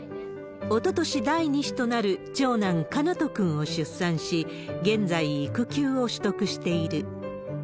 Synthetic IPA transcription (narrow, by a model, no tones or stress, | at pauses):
o̞t̪o̞t̪o̞ɕid̪aiɲ̟iɕi̥t̪o̞naɾɯ̟t͡ɕo̞ːnãŋkanat̪o̞kɯ̟̃ɰ̃o̞ɕɨsːãɰ̃ɕi | ɡẽ̞nd͡zaiːkɯ̟kʲɨːo̞ɕɨ̥t̪o̞kɯ̟ɕi̥t̪e̞iɾɯ̟